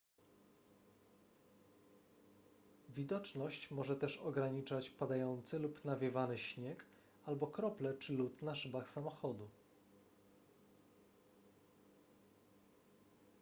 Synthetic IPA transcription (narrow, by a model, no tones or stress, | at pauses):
vʲid̪ɔt͡ʂnɔɕt͡ɕmɔʐɛt̪ɛʂɔɡɾaɲit͡ʂat͡ɕpad̪ajɔnt̪sɘlupnavʲjɛvanɘɕɲɛk | albɔkɾɔplɛt͡ʂɘlut̪naʂɘbaxsamɔxɔd̪u